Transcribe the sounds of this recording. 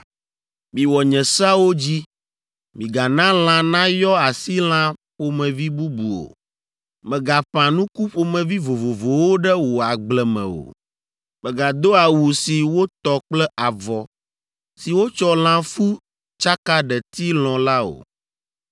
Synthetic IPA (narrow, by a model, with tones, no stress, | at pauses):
mĩ˨wɔ˨ɲɛ̃˨sa˦wo˦d͡ʑi˦ | mĩ˨ɡa˨nã˦l̃ã˦nã˦jɔ˦a˨si˦l̃ã˦ɸo˦mɛ̃˨vi˦bu˦bu˨o̰˨ | mɛ̃˨ɡa˨ɸã˨nũ˦ku˦ɸo˦mɛ̃˨vi˦vo˨vo˨vo˨wo˦ɖɛ˦wo˨a˨ɡ͡blɛ˨mɛ̰̃˨o̰˨ | mɛ̃˨ɡa˨d̪o˦a˨wu˨si˨wo˦t̪ɔ˨k͡plɛ˦ʔa˨vɔ˨ | si˨wo˦t͡ʃɔ˦l̃ã˦fu˦ | t͡ʃa˦ka˦ɖɛ˨t̪i˦l̃ɔ̃˨la˦o̰˨